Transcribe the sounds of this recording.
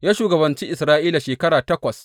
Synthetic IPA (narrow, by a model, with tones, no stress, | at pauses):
jaː˦ʃuː˨ɡɐ˨bɐ˨nt͡ʃi˦ʔɪ˨sɾaː˦ʔiː˦la˨ʃeː˨kɐ˦ɽaː˨tɐ˦kʷɐ˨s